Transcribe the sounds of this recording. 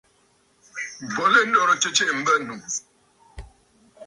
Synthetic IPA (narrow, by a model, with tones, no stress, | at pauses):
bɔ˨le˦n̩˦dɔ˦ɾt͡ʃe˦t͡ʃe˦ʔm̩˦bə˦nu˨